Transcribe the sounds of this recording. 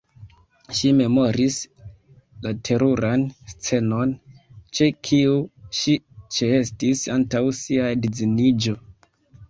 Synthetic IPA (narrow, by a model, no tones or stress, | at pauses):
ʃime̞mo̞ɾis | latʰe̞ɾuɾanst͡se̞no̞nt͡ʃe̞kʰiuʃit͡ʃeestisantawsiadid͡zinid͡ʒo̞